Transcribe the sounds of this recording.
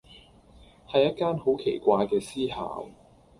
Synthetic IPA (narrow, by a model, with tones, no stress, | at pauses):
hɐ˨jɐ˥t̚kaː˥nho˨˥wkʰe˨˩jkʷaː˧jkɛː˧siː˥ha̰ː˨w